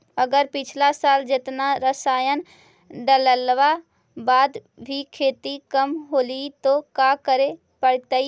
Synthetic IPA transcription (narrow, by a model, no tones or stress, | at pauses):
əɡəɾpɪt͡ʃʰlasaːld͡ʒɪt̪naɾəsaːjən | ɖələlʋa | baːd̪ | bʱikʰeːt̪ikəmɦoːlit̪okakəɾe | pəɽ̤t̪ə